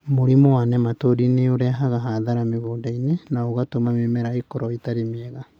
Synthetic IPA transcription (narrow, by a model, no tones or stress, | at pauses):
moɾimowanɛmatoɾineoɾɛaɦaɣaɦaðaɾameɣoːdainenaoɣatomamemɛɾaekɔɾɔitaɾemiɛɣa